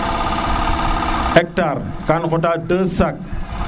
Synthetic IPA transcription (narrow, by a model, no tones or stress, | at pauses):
ɛk̚tarkanɣʊtatəsak̚